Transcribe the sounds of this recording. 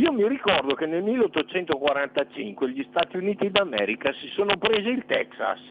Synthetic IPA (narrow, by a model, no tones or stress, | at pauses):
iːomirikɔrd̪okenelmilːeot̪ːot͡ʃɛnt̪okwaɾant̪at͡ʃḭŋkweʎist̪aːt̪iuniːt̪id̪amɛ̰ːɾikasisoːnopɾeːziːlt̪ɛ̰ksa̰s